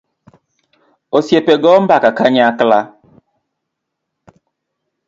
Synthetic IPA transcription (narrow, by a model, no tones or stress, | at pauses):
osjepeɡɔm̩bakakaɲakla